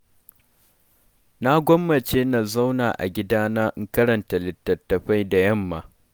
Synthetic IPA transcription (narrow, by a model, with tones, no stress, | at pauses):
na˦ɡʷɔ˦mːɐ˨t͡ʃeː˦na˨za˦wnaː˨ʔa̰˨ɡʲɪ˦daː˦naː˦ʔɪ˦ŋkɐ˦ɾɐ˨nta˨lɪ˨tːɐ˨tːɐ˨ɸa˦jda˨jɐ˦˨mːaː˦